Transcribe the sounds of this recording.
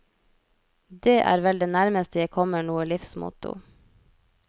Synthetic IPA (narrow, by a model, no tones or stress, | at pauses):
d̪eːʔæ̰ːɾʋɛld̪eːnæɾməst̪əjæɪkʰɔməɳuːəlɪfsmʊ̰t̪ʊ̰